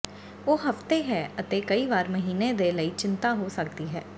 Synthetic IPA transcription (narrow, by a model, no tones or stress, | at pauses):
oːɦəft̪eɦɛːət̪eːkəiːʋaːɾməɦiːned̪eːləiːt͡ʃɪnt̪aːɦoːsək̚d̪iːɦɛː